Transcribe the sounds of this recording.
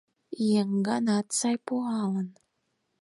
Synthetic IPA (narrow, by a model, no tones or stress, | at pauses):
ijeŋɡɑnɑt̪sɑjpoʁɑlə̆n